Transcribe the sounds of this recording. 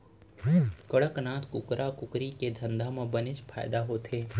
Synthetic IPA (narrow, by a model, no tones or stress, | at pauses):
kəɽəknãːt̪kʊkɾʔakʊkɾiked̪ʱə̃nd̪ʱamãbənɪt͡ʃpʰa̰ːɪd̪aɦoːt̪ʰeː